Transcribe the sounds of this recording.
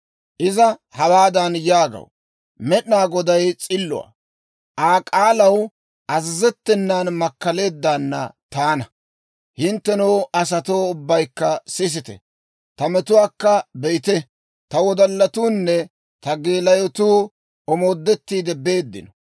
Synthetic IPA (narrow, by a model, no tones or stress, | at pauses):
ʔɪzɐhɐwaːd̪ɐnjaːɡɐ̰w | mɛɗnaːɡɔd̪ɐjt͡sʼɪlːʊ̰wa̰ː | ʔaːkʼaːlɐw | ʔɐzɪzɛt̪ːɛnːaːnmɐkːɐle̞ːd̪ːaːnːɐ̰t̪aːnɐ | hɪnt̪ːɛnoːʔɐs̬ɐt̪oːʊbːɐjkːɐsɪs̬ɪt̪ɛ̰ | t̪ɐmɛt̪ʊwaːkːɐbɛʔɪt̪ɛ | t̪ɐwɔd̪ɐlːɐt̪uːnːɛ | t̪ɐɡe̞ːlɐjɔt̪uː | ʔɔmo̞ːd̪ːɛt̪ːiːd̪ɛbe̞ːd̪ːɪ̰nɔ